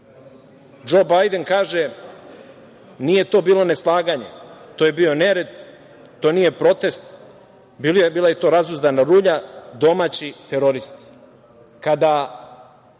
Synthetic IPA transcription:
d͡ʒo̞ːbajd̪e̞nkaːʒe | nije̞t̪o̞ːbiːlo̞ne̞slˠaːɡaɲe̞̰t̪oːje̞bio̞ne̞ɾe̞d̪ | t̪onije̞pɾo̞t̪e̞st̪ | bibiːlaje̞t̪o̞ːɾazuzd̪anaɾuːʎad̪o̞maːt͡ɕit̪eɾo̞ɾist̪i̥ | kad̪a

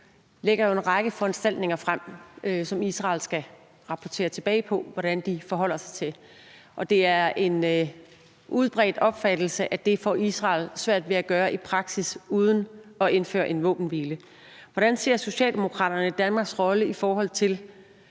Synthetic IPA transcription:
leɡ̥ɐjo̝e̝nʁɑ̈ɡ̥əfɒ̽ensd̥æl̰d̥ne̝ŋɐfʁam̰øsɒ̽misʁɑ̰̈ːlsɡ̥æ | ʁɑ̈pʰɒt͡sʰe̝̰ːɐt͡sʰe̝b̥ɛ̰ːɪpʰɒ̽ʋɒɾ̥ænd̥ifɒ̽ɦɒ̽l̰ɐsɑ̈ɪt͡sʰe̝ | ʔɒ̽d̥e̝æɐe̝n | ʔuð̞ˠb̥ʁɛ̰ːd̥ɒ̽b̥fæd̥l̩səʔæd̥e̝fɒ̰isʁɑ̰̈ːlsʋæɐ̰d̥ʋe̝æɡ̥ɶːɐʔipʰʁɑ̈ɡ̥sisuːð̞ˠən̩ɒ̽ʔe̝nfø̰ːɐʔe̝nʋɔ̰̽ːb̥n̩ʋiːlə | ʋɒɾ̥ænse̝ɐ̰so̝ɕɛ̰ːld̥e̝mo̝kʰʁɑ̰ːɾ̥ɐnəid̥ænmɑ̈ːɡ̥sʁɒ̽ləifɒːɦɒ̽l̰ˠt͡sʰe̝l

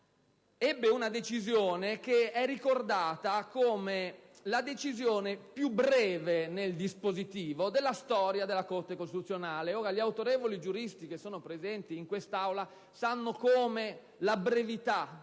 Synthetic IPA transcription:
ɛbːeunad̪et͡ʃizjoːnek̟eɛrːikord̪aːt̪akoːme | lad̪et͡ʃizjoːnepjubɾɛːveneld̪ispozit̪iːvod̪elːast̪ɔːɾjad̪elːakort̪ekost̪it̪ut̪sːjonaːleɔːɾaʎiawt̪oɾɛːvolid͡ʒuɾist̪ikesːoːnopɾezɛnt̪iːŋkwest̪awla | sanːokoːme | labɾevit̪a

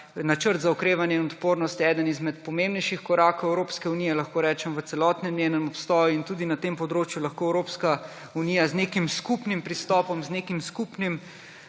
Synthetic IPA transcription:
nat͡ʃəɾt̪zaɔkɾeːʋanjɛinɔt̪poːɾnɔst̪jɛɛːd̪ənizmɛt̪pɔmẽmbnɛjʃixkɔɾaːkowɛwɾoːpskɛuniːjɛlɐxkoːɾɛːt͡ʃɛmʋət̪sɛlɔːt̪nɛmnʲeːnəmɔpst̪ɔːjuint̪uːd̪inat̪empɔd̪ɾoːt͡ʃjulɐxkoːɛwɾoːpska | uniːjazneːkimskupnimpɾist̪ɔːpɔmzneːkimskuːpnim

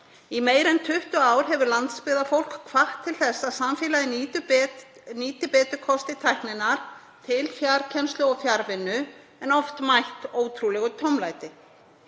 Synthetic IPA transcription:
imeːjɾɛnt̪ʰʏht̪ʏaːwɾ̥ɦɛvʏɾlant̪spɪːðafowl̥kkʰvaht̪ʰːɪlθɛsːaðsamfɪːlaðɪnʏ | niːt̪ɪpɛːt̪ʏkʰɔst̪ɪt̪ʰajhknɪnaɾ̥ | t̪ʰɪlfjaɾcʰɛnst̪lʏɔfjaɾvɪnːʏ | ɛnɔft̪majht̪oːwt̪ʰɾulɛɣʏt̪ʰowmlajt̪ɪ

